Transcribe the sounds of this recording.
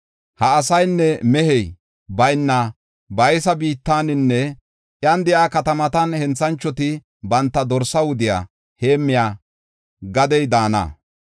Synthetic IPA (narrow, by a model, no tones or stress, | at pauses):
hɐːsɐjnːɛmɛhɛj | bɐjnːɐ | bɐjsɐbiːt̪ːaːnɪnːɛ | ʔjɐnd̪ɪʔaːkɐt̪ɐmɐt̪ɐnhɛnt͡sːɐnt͡ʃːɔt̪ɪ | bɐnt̪ːɐd̪ɔɾsɐwʊd̪ɪja̰ː | he̞ːmːɪjaː | ɡɐd̪ɛjd̪aːnɐ̰ː